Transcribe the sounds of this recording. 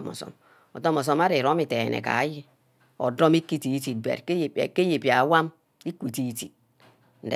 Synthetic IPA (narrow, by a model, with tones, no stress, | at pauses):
mɔ̰˨sɔ̰˨m | ɔ˨to˦mɔ˨s̬ɔ˦ma˦ɾi˨ɾo˦mi˨te˨nʔɛ̰˨ka̰˨˦ji˦ | ɔ̰˨do˦mi˦kːi˦ti˨˦ti˨d̚bḛ˨ɾke˦jpke˦je˨pi˨a˨˦wa˦m | i˦kʷi˨ti˨˦˨ti˨ | n̩˨d